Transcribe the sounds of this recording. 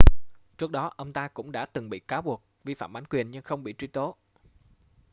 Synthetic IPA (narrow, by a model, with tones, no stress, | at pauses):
t͡ɕu˦˥ək̚ɗɔ˨˦ʔə˧wŋ͡mt̪aː˧kʊ̰˧˥ŋ͡mɗa̰ː˧˥t̪ɨ˨˩ŋɓḭ˧˨kaː˨˦wɓu˨˩ək̚vi˧fa̰ː˧˩mʔa˨˦nkwi˨˩ənɲɨ˧ŋxə˧wŋ͡mɓḭ˧˨t͡ɕwi˧t̪o˨˦